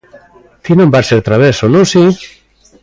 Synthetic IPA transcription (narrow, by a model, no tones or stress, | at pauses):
t̪inõmbaseɾt̪ɾaβesonõsi